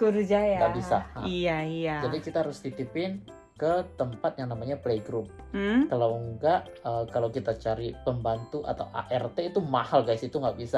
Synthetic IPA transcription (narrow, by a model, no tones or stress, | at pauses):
kuɾd͡ʒajjaɡaʔbisaijaiad͡ʒadikit̪aɦaɾʊsdit̪ipɪn | kət̪əmpat̪̚jaŋnamaɲapleiɡɾʊp̚ | kalawŋɡaʔəkalawkit̪at͡ʃaɾipəmbant̪uʔa̰t̪a̰wʔa̰ʔɛrt̪eit̪umahalɡaisit̪uŋɡaʔbisa